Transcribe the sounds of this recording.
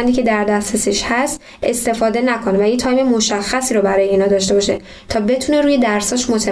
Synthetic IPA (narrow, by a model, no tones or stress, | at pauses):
nd̪icʰe̞d̪æɾd̪æstɾesiːʃhæst̪ | e̞st̪e̞fɒːd̪e̞nækʰonvæjet̪ʰɒjme̞mo̞ʃæxːæsiːɾobæɾɒːje̞iːnɒːd̪ɒːʃt̪e̞bɒʃe | t̪ʰɒːbe̞t̪ʰune̞ɾuːje̞d̪æɾsɒːʃmo̞t̪ʰe